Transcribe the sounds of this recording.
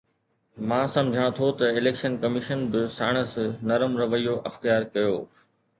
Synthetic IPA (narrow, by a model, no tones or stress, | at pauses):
mãːsɐ̃md͡ʑʱãt̪ʰot̪ɐɪleːkʃənkɐmɪʃənbɪsa̰ːɽ̃əsnɐɾəmɾɐʋəijoʔɐxt̪ijaːɾkɐjoː